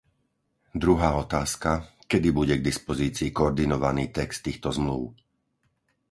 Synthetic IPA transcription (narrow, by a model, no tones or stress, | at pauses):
d̪ɾuɦaːɔt̪aːskakɛd̪ibuɟɛɡd̪ispɔziːt͡siːkɔɔɾd̪inɔʋaniːt̪ɛkst̪ːiːxt̪ɔzmluʊ